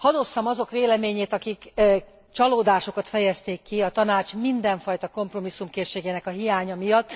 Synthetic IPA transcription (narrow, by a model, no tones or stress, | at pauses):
hɒd̪o̞sːɒmɒzo̞kʋeːlɛmeːɲeːt̪ɒkik | t͡ʃɒloːd̪aːʃo̞kɒt̪fɛjɛst̪eːkːiɒt̪ɒnaːt͡ʃmind̪ɛɱfɒjt̪ɒko̞mpro̞misːumkeːʃːeːɡeːnɛkɒɦijaːɲɒmijɒt̪ː